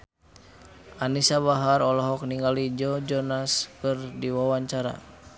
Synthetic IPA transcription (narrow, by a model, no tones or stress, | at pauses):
ʔanisabaɦaɾɔlɔɦɔk̚niŋɡalid͡ʒɔd͡ʒɔnaskɨrdiwawaɲt͡ʃaɾa̰